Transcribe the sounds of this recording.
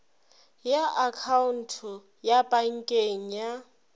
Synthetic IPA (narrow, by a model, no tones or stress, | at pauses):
jaʔakʰaun̩tʰʊ | japʼaŋ̩kʼeŋ̩ja